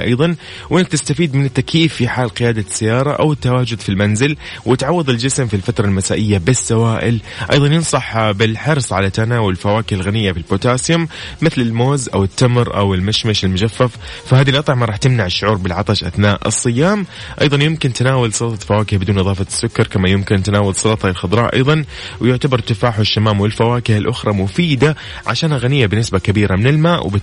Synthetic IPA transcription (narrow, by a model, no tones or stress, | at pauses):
ʔɑ̰jðˤɑn | wʔɪnːɪk̚t̪ɪst̪afiːd̪mɪnɪt̪ːakjiːfːiħaːlqɪjaːd̪asːajːɑːɾˤɑʔa̰wɪt̪ːawaːd͡ʒʊd̪filmanzɪl | wɪt̪ʕɑwːɑðˤɪld͡ʒɪsmfilfat̪ɾˤɑlmasaːʔɪjːabɪsːawaːʔɪ̰lʔɑ̰jðˤɑnjɪnsˤɑħbɪlħɑɾsˤʕalat̪ːanaːwɪlfawaːkɪhɪlɣanɪjːafɪlboːt̪aːsjʊmmɪθlɪlmoːzʔa̰wɪt̪ːamɾʔa̰wɪlmaʃmaʃɪlmʊd͡ʒafːaffahaːðilʔɑt̪ˤʕmaɾˤɑːħt̪ɪmnaʕɪʃːʊʕuːɾˤbɪlʕɑt̪ˤɑʃʔa̰θnaːʔɨ̰sˤːɨjːaːm | ʔɑ̰jðˤɑnjɪmkɪnt̪ɪnaːwalsˤɑlt̪ˤɑfawaːkɪhbɪd̪uːnʔɨðˤɑːfɑsːʊkːɑɾˤkamːajɪmkɪnt̪naːwalsˤɑlɑt̪ˤɑlɪlxʊd̪ˤɾˤɑːʔɑ̰jðˤɑn | wjʊʕt̪abɑɾˤt̪ːɪfaːħwɪʃːamaːmwɪlfawaːkɪhɪlʔʊxɾˤɑmʊfiːd̪a | ʕa̰ʃaːnaɣanɪjːabɪnːɪsbakabiːɾamɪnɪlmaːʔwb